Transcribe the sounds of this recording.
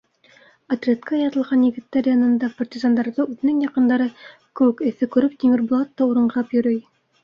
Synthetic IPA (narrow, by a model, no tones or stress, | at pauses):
ɐt̪rʲet̪kɑjɑt̪ɤ̆lˠʁɑnjɘ̆ɡɘ̆t̪ːæɾjɑnɤ̆nd̪ɑpɐrtʲizɑnd̪ɑɾðɤʉðɘ̆nɘŋjɑqɤ̆nd̪ɑɾɤ | kɘ̆wɘkɘ̆θɘkʉɾɵpt̪ʲimɘrblˠɑt̪ːɑuɾɤ̆ɴʁɑpjɵ̆ɾɵj